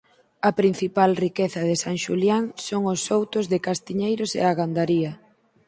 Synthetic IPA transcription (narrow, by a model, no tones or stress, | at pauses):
ɐpɾin̟θipalrikeθɐðɪsaŋʃṵljaŋsoŋosːowt̪ozðɪkast̪iɲejɾosḛaɣand̪aɾiɐ